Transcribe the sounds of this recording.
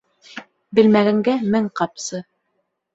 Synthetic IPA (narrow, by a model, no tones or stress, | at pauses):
bɘ̆lmæɡæŋɡæmɘŋqɑpsɤ